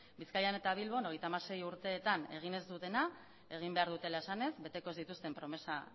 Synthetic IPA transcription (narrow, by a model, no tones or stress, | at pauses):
biskajane̞t̪aβ̞ilβo̞no̞ɣ̞e̞jt̪amaɾse̞juɾt̪e̞ːt̪ane̞ɣ̞ine̞zd̪ut̪e̞na | e̞ɣ̞imbe̞aɾðut̪e̞lae̞sane̞zbe̞t̪e̞ko̞zðit̪ust̪e̞mpɾo̞me̞sa